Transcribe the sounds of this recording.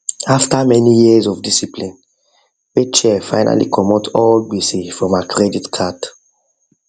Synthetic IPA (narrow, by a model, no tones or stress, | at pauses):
aftamɛnijizɔvdisiplĩn | wet͡ʃɛfaɪnʔa̰lḭkʰɔmɔtʰɔlɡisifɹɔ̃makʰɹɛditkʰat